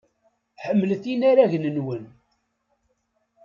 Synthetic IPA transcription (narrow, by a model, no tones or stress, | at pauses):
ħəmːələθinaɾæʝnənwən